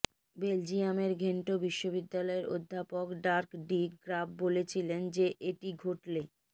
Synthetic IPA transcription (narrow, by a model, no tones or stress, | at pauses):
beld͡ʑiameɾɡʱeɳʈobiʃːobid̪ːalɔeɾʔo̰d̪ʱːapokɖaɾkɖiɡɾab̚bolet͡ɕʰilend͡ʑeʔeʈiɡʱoʈle